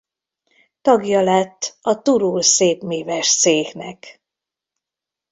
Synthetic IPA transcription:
t̪ɒɡjɒlɛt̪ːɒt̪uɾulseːpmeːvɛʃseːhnɛ̰k

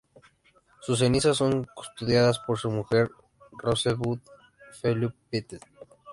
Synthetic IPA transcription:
sus̬e̞nisasːo̞ŋku̥st̪uðjaðaspo̞ɾsumuxe̞ɾ | roseβuð | feluppet̪e

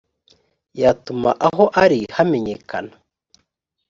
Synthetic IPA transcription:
jatuma̰ʔaɦoʔaɾihame̞ɲekʰa̰na

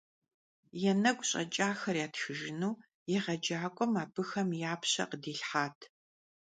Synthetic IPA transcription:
jɛnɐɡʷʼɕʼɐ̰t͡ʃʼaːxɐrjaːtxɨʒɪnuː | jɛʁɐd͡ʒaːkʷʼɔmaːbɨxɐmjaːpɕɐ̰qədiːɬħaːtʰ

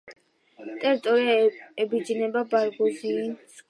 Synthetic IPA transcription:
t̪ʼɛɾit̪ʼɔɾiaɛbid͡ʒnɛbabaɾɡuziːs

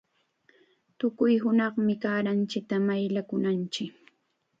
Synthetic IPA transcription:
t̪ʊkʊjɦʊnɑχmɪkaːɾant͡ʃɪk̚t̪amajʎakʊnant͡ʃɪk

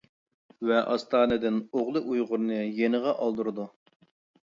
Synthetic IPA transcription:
vɛʔɑst̪ʰɑːnɨd̪ɪnoʁlˠɨʔujʁʊɾnɨjenɨʁɑʔɑlˠd̪uɾɨd̪u

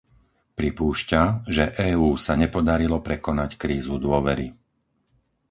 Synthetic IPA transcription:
pɾipuːʃcaʒɛʔɛːuːsaɲɛpɔd̪aɾilɔpɾɛkɔnackɾiːzud̪ʊɔʋɛɾi

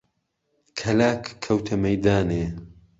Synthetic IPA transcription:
kʰɐlaːkʰːɐwt̪ʰɐmɐjd̪aːneː

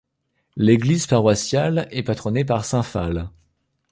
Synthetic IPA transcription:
leɡlizpaʁwasjalɛpat̪χɔnepaʁsɛ̃fal

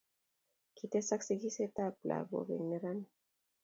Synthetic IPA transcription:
kit̪esaksiɡiset̪apla̰βo̰βḛnneɾan

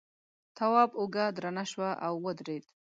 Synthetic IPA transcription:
t̪ʰawɑbʊɡad̪ɾanaʃwaʔawːəd̪ɾed̪

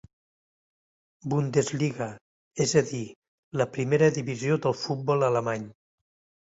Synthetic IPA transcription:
bund̪ezliɣə | ezəði | ləpɾimeɾəðiβiziod̪əlˠfut̪̚bɔlələmaɲ

